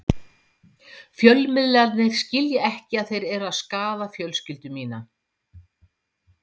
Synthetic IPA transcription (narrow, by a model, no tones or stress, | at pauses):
fjœlmɪðlat̪nɪɾ̥scɪljɪɛhcɪaðθejɾɛɾʏaðskaːðafjœlscɪlt̪ʏmiːna